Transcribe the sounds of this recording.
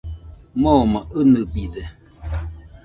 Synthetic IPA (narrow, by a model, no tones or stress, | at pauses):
mɔmaənəbidɛ